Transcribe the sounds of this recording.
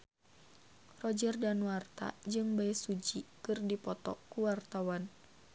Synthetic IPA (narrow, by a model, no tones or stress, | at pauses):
rɔd͡ʒərdanwart̪a̰d͡ʒɨŋbaɛsud͡ʒikɨrdipɔt̪ɔkuwart̪awan